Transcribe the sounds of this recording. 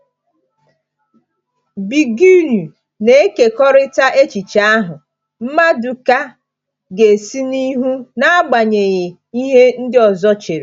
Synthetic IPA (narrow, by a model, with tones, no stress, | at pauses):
bi˨ɡu˦nu˨ | ne˨e˦ke˨kɔ˦ɾɪ˦ta˦ʔe˦t͡ʃi˨t͡ʃa˦a˦ɦʊ˨ | m̩˦ma˦du˨ka˦ | ɡe˨si˦ni˦ɦu˦na˦a˦ɡ͡ba˨ɲe˨ɣɪ˨ | i˦ɦe˦n̩˦dɪ˦ɔ˨zɔ˦t͡ʃe˨ɾe˨